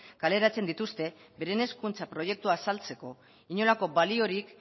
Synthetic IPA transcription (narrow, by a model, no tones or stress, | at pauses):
kale̞ɾat͡se̞nd̪it̪ust̪e̞be̞ɾene̞skunt͡sapɾo̞ʝe̞k̚t̪uaːsalt͡se̞ko̞ | iɲo̞lako̞balio̞ɾik